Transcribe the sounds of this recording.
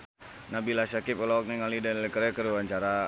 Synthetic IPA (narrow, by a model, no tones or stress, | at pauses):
nabilasakipɔlak̚niŋalidɛnlɛkəɾɛkəɾuwaɲt͡ʃaɾa